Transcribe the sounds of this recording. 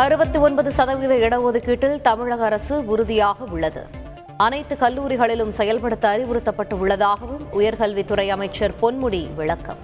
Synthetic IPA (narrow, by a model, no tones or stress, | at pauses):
ɐɾɯbɐt̪ːɯɔnbɐðɯsɐðɐʋɪðɐɛɽɐʋoːðɯkːiːʈːɪlt̪ɐmɪɻɐɣɐɐɾɐsɯʊɾʊðɪjaːɣɐʊɭːɐðɯ̰ | ɐnɐɪt̪ːɯkɐlːuːɾɪɣɐɭɪlɯmsɛjɐlpɐɽɯt̪ːɐɐɾɪʋʊɾɯt̪ːɐpːɐʈːɯʊɭːɐðaːɣɐʋɯmʊjɐɾɣɐlʋit̪ːʊɾɐɪɐmɐɪt͡ʃːɐɾpɔnmʊɽiʋɪɭɐkːɐ̰m